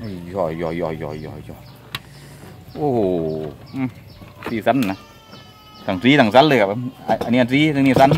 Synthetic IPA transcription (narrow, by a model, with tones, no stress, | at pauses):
ʔo˧˩˨jɔː˧˩jɔ˧˩jɔ˧˩jɔ̰ː˧˩jɔ˧˩jɔ˧˩ | ʔoː˧hoː˨˧˩ | siː˧˩sa˧˥nna˧˩ | sa˨˩ŋsiː˦˥˨ta˨˩ŋsa˧˥nlɯː˧˩ka˨˧a˧ʔa˧˨nːiː˧a˧˨nsiː˧˥˨ɯ˧niː˧˩sa˧˥˦n